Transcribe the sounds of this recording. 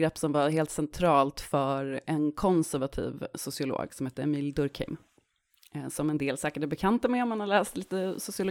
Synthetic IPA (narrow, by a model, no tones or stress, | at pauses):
ɾɛpːsɔmvaɦeːlt̪sɛnt̪ʰɾɑːlt̪fœɾɛnkʰɔnsæɾvat̪ʰḭːvsʊsɪʊlo̰ːɡsɔmhɛːt̪ːəɛmiːld̪ɵɾkʰɪ̰m | sɔmɛnd̪eːlsɛːkəʈɛbɛkʰant̪amɛɔmːanhalɛːst̪liːt̪əsʊsɪʊlʊ